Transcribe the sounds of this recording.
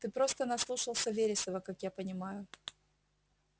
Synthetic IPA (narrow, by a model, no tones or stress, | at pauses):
t̪ɨpɾo̞st̪ənɐslˠuʂəlˠsʲəvʲeɾʲɪsəvəkakjapənʲɪmajʊ